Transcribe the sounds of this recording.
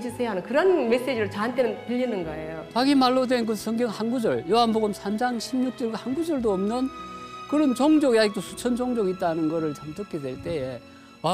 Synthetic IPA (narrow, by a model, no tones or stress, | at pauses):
d͡ʑisʰeɦanɯnkɯɾʌnme̞s͈ed͡ʑiɾɯɭt͡ɕaɦant͈enɯnpiʎːinɯnɡʌejopaɡimaɭːodwe̞nk̬ɯsʰʌŋɡjʌŋhanɡud͡ʑʌɭjoɦanboɡɯmsʰamd͡ʑaŋɕʰimɲuk̚t͡ɕ͈ʌɭɡahanɡud͡ʑʌɭdoʌmnɯnkɯɾʌnt͡ɕʌŋd͡ʑʌɡjad͡ʑik̚t͈osʰu̥t͡ɕʰʌnd͡ʑʌŋd͡ʑʌɡit͈̚anɯnɡʌɾɯɭt͡ɕamt͡ɕʌkʰedwe̞ɭt͈e̞e | a